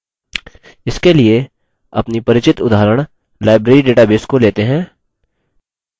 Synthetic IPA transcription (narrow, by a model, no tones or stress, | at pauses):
ɪskelie | ɐ̰pnipɐɾɪt͡ʃɪt̪ʊd̪ʱaːɾəɽ̃ | laːɪbɾeːɾiɖeːʈabeːskoleːt̪eɦɛ̃ː